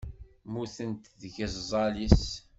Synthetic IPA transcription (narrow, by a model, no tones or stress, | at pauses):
muθənt̪ðʝəzzˤɑlis